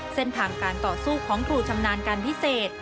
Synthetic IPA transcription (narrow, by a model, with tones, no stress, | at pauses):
se˥nt̪ʰaː˧˩ŋkaː˧nt̪ɔː˨˩suː˥˩kʰɔː˩˦ŋkʰɾuː˧t͡ɕʰa˧mnaː˧nkaː˧npʰi˦˥seː˨˩t̪̚